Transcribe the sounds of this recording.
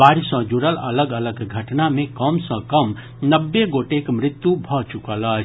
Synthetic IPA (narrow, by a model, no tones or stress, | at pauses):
baːɾisə̃d͡ʒuɾələləɡələɡɡʱəʈnamẽkəmsə̃kəm | nəbːeɡoːʈekmɾɪt̪jubʱɔt͡ʃukələ